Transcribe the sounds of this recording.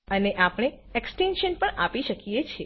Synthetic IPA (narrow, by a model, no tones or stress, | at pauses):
əneʔapɽ̃e | eksʈenʃənpəɳapiʃəkijet͡ʃʰe